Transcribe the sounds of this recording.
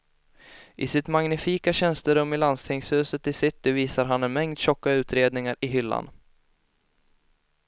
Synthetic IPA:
ʔɪsɪt̪maŋnɪfiːkaɕɛnst̪əɾɵmːɪland̪st̪ʰɪŋshʉ̟ːsət̪ɪsɪt̪ːɪviːsaɾɦanɛnmɛŋd̪ɕɔkːaʉ̟ːt̪ɾeːd̪nɪŋaɾɪɦʏlːa̰n

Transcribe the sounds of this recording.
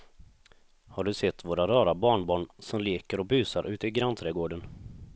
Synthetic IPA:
haɖɵsɛt̪ːvoːɾaɾɑːɾabɑːɳbɑːɳsɔmleːkəɾɔbyːsaɾʔʉ̟ːt̪əɪɡɾant̪ʰɾɛːɡoːɖən

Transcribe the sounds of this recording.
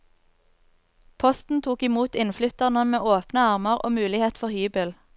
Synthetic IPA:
pʰɔst̪n̩t̪ʰuːkɪmuːt̪ɪnflʏt̪əʁnəmeːʔoːpnəɑʁməʁo̰ːmʉːlɪheːt̪fɔʁhyːbəl

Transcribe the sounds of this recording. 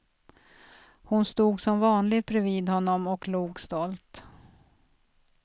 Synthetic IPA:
hʊnst̪uːɡsɔmvɑːnlɪɡt̪̚bɾɛviːd̪hɔnːɔmɔkluːɡst̪ɔlt̪

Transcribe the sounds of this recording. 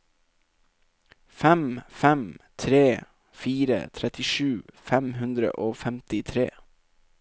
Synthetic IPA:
fɛmfɛmt̪ʰɾeː | fiːɾə̰t̪ʰɾɛt̪ɪʃʉːfɛmhʉnd̪ɾə̰ʔoːfɛmt̪ɪt̪ʰɾḛː

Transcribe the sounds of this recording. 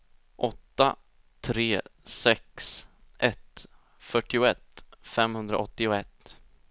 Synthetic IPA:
ʔɔt̪ːa | t̪ʰɾeːsɛksʔɛt̪ | fœʈːɪʊɛt̪fɛmhɵnd̪ɾa̰ʔɔt̪ːɪʊɛt̪ː

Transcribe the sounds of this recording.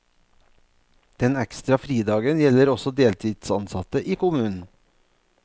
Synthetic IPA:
d̪̥ɛnɛkst̪ɾɑfɾiːd̪ɑːɡənjɛləɾɔsɔd̪eːlt̪ʰiːd̪̥sɑ̰nsɑt̪əʔiːkʊmʉːnn̩

